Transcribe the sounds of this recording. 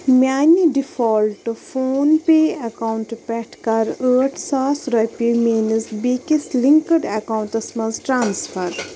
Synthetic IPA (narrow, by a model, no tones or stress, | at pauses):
mʲaːnːiɖifɔːlʈufoːnpeːɐkawɳʈpɛʈkaɾəːʈsaːsɾɐpimeːnisbikisliŋkəɖɐkaːwɳʈɐsmɐzʈɾaːnsfɐɾ